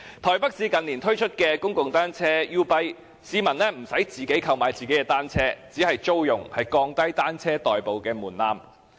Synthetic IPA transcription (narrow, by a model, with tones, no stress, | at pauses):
t̪ʰɔː˨˩jpɐ˥k̚siː˨˧kɐ˨nliː˨˩nt̪ʰɵ˥ɥt͡ʃʰɵ˥t̚kɛː˧kʊ˥ŋkʊ˨ŋt̪aː˥nt͡sʰɛː˥jiː˥pɐ˥j | siː˧mɐ˨˩nlɛː˥m̩˨˩sɐ˨˥jt͡siː˨˩ke˨˥jkʰɐ˧wmaː˨˧jt͡siː˨ke˨˥jkɛː˧t̪aː˥nt͡sʰɛː˥t͡siː˨˥hɐ˨jt͡ʃo˥wjʊ˨˩ŋhɐ˨jkɔː˧ŋt̪ɐ˥jt̪aː˥nt͡sʰɛː˥t̪ɔː˨˩jpo˨wkɛː˧muː˨˩nlaː˧m